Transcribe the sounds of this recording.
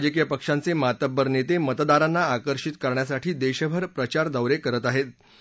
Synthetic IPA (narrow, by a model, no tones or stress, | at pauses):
d͡ʑəkijəpəkʂant͡semat̪əbːəɾnet̪emət̪d̪aɾanːaːkəɾʂit̪kəɾɳjasaʈʰiːd̪eɕəbʱəɾpɾət͡ɕaɾd̪əwɾekəɾət̪aɦet̪̚